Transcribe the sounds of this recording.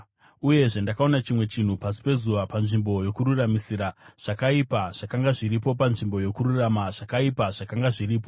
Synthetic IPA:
uje̞ʐe̞ndakao̞nat͡ʃimwe̞t͡ʃin̤upasi̥pe̞zuʋapanʐimbo̞jo̞kururamisiːɾaʐ̥akaipaʐ̥akaŋɡaʐiɾipo̞p̬anʐimbo̞jo̞kururamaʐ̥akaipaʐ̥akaŋɡaʐiriːp̬o̞

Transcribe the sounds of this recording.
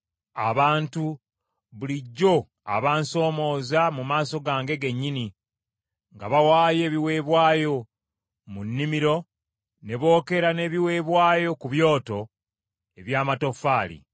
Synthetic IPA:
a̰βaːntu | βuliɟːo̞ | a̰βaːnso̞ːmo̞ːzamumaːso̞ɡaːŋɡe̞ɡe̞ɲːini | ŋɡaβawaːje̞ːβiwe̞ːβwaːjo̞ | munːimiɾo̞ | ne̞βo̞ːke̞ɾane̞ːβiwe̞ːβwaːjo̞kuβjo̞ːto̞ | e̞βjaːmato̞faːlḭ

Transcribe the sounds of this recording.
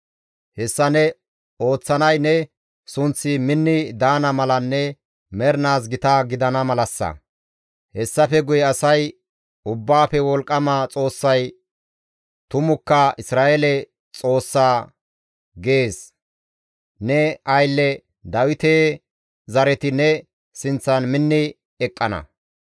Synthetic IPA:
hɛsːɐnɛ | o̞ːt͡sːɐnɐjnɛ | sʊnt͡sːɪmɪnːɪd̪aːnɐmɐlɐnːɛ | mɛɾnaːs̬ɡɪt̪aɡɪd̪ɐnɐmɐlɐsːɐ̰ | hɛsːɐfɛɡʊjɛɐsɐj | ʊbːaːfɛwɔlkʼːɐmat͡sʼo̞ːsːɐj | t̪ʊmʊkːɐʔɪsɾaːʔɛlɛ | t͡sʼo̞ːsːaː | ɡeːs | nɛɐjlːɛ | d̪ɐwɪt̪eː | zɐɾɛt̪ɪnɛ | sɪnt͡sːɐnmɪnːɪ | ɛkʼːɐnɐ̰

